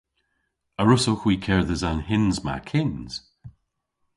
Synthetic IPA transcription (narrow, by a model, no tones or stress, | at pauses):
əɹʊsoxwiːkʰɛɹðəzanhɪnzma̰kʰɪnz̥